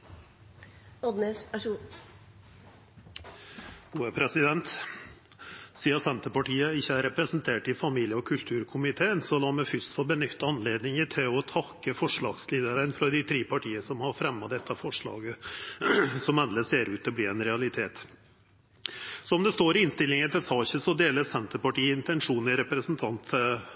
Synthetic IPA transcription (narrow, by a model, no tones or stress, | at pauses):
ɔd̪nesæʂ | uːəpʰɾɛsɪd̪ɛnt̪ | siːɑsɛnt̪əpɑʈiːəɪçːəæɾɛpɾɛsnt̪ʰeːʈɪfɑmiːljəɔkʰʉlt̪ʰʉːɾkʰʊmɪt̪ʰeːənsɔlɑməfʏst̪fɔbənʏt̪ːɑnleːd̪nɪŋət̪ʰeɔt̪ʰɑkːəfɔʂɭɑːɡsliːd̪əɾənfɾɑd̪ɪt̪ʰɾiːpʰɑʈʰiːəsɔmhɑɾfɾɛmːɑd̪ɛt̪ːəfɔʂɭɑ̰ːɡə | sɔmɛnləseːɾʉːt̪̚d̪ɔbliːɛnɾɛɑlɪt̪ʰeːt̪ | sɔɔmd̪ɛst̪oːɾɪɪnst̪ɪlɪŋənt̪ʰɪlsɑːçəsɔd̪eːləsɛnt̪əpɑʈiːɪnt̪ɛnʂuːnɪɾɛpɾəsnt̪ʰɑnt̪